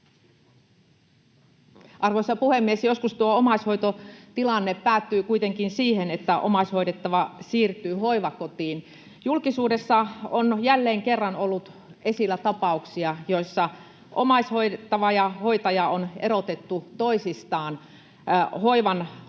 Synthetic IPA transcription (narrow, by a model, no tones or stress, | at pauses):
ʔɑrʋoisːɑpuhemːiesjoskust̪uoomɑsho̞jt̪ot̪ilɑnːepːæːt̪ːyːkuit̪eŋkinsiːhenet̪ːæʔo̰mɑsʲhojdet̪ːɑʋɑsiːrt̪ˑyːho̞iʋɑkot̪iːn | julkisuːdesːɑonjælːeːŋkerːɑnolːut̪e̞silːæt̪ɑpɑuksiɑjo̞isːɑ | ʔo̰mɑsʲhoiet̪ːɑʋɑjɑho̞jt̪ɑjɑone̞ɾot̪et̪ːut̪oisist̪ɑːn | hoiʋɑn